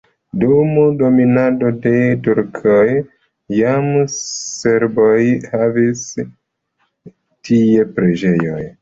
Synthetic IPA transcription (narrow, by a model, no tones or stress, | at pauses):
dumdo̞minado̞de̞tuɾkʰojː | amse̞ɾbojhavis | tʰie̞pɾed͡ʒe̞jo̞̰j